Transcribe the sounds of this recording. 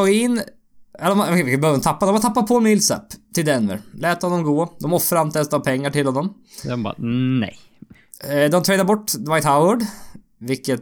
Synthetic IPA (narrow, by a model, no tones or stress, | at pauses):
ɡɪn | ɛd̪ɔmbøːvəɔmt̪ʰɑpːad̪ɔmhɔt̪ʰɑpːapʰɔmilsɛ̰pːt̪ʰɪld̪ɛnmə̰ɾlɛːt̪hɔnːɔmɡoːd̪ɔmɔfɾamt̪ʰɛst̪ɑpʰɛŋːaʈɪlhɔnːɔm | d̪ɔmb̰nɛ̰j | d̪ɔmt̪ʰɾɛɪd̪əɾbɔʈːd̪ʋaɪt̪haʊəɖ | vɪkːət̪